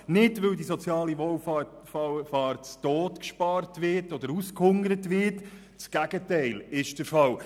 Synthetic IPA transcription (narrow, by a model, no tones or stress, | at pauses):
nɪdʋɵwdisɔt͡sjɑːliʋɔwfɑ | ɑwfɑːrtt͡stoːtkʃpɑrtʋɪrtɔd̥̪əɾuskhʊŋəɾətʋɪt | t͡sɡ̥æɡ̥ətɛɪlɪʃd̥əɾfɑw